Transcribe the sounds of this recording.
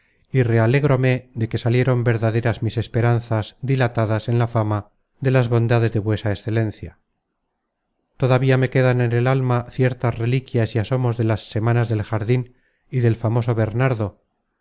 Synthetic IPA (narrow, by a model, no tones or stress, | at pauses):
ire̞ale̞ɣɾo̞me̞ðe̞ke̞salje̞ɾo̞mbe̞ɾðaðe̞ɾazmise̞spe̞ɾanθazd̪ilat̪aðase̞nlafama | ðe̞lazβo̞nd̪aðe̞zðe̞βwe̞saesθe̞le̞nθja | t̪o̞ðaβiame̞ke̞ðanene̞lalmaθje̞ɾt̪azre̞likjasiaso̞mo̞zðe̞lasːe̞manazðe̞lxaɾðin | iðe̞lfamo̞so̞βe̞ɾnaɾðo̞